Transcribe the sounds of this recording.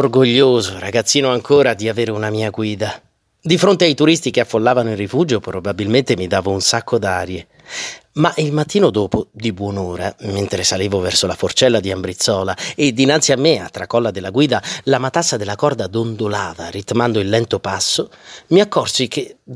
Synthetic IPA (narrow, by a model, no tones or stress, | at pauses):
orɡoʎːoːzoɾaɡat̪sːiːnoaŋkoːɾad̪iaveːɾeunamiːaɡwiːd̪a | d̪ifɾont̪eajt̪uɾist̪ikeafːolːaːvanoilrifuːd͡ʒopɾobabilment̪emid̪aːvounsakːod̪aːɾje | maʔilmat̪ːiːnod̪oːpod̪ibwɔnoːɾament̪ɾesaliːvovɛrsolafort͡ʃɛlːad̪iambɾit̪sːɔːlaed̪ːinant̪siamːea̰t̪ːɾakːɔlːad̪elːaɡwiːd̪alamat̪asːad̪elːakɔrd̪ad̪ond̪olaːva̰rit̪mand̪oilːɛnt̪opasːo | miakːɔrsikʰe